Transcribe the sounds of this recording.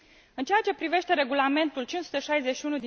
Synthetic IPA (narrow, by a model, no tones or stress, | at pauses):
ɨnt͡ʃejat͡ʃe̞pɾive̞ʃt̪eɾe̞ɡulame̞nt̪ult͡ʃinsu̥t̪əʃajze̞t͡ʃʃiunud̪i